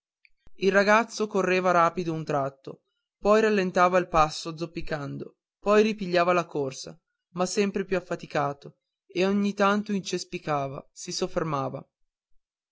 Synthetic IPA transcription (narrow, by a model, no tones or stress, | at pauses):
ilraɡat̪sːokorːeːvaɾaːpid̪ount̪ɾat̪ːo | pɔjɾalːent̪aːvailpasːod̪zopːikand̪o | pɔjripiʎːaːvalakorsa̰ | masːɛmpɾepjuafːat̪ikaːt̪o | eoɲːit̪ant̪oint͡ʃespikaːva̰sisofːermaːva̰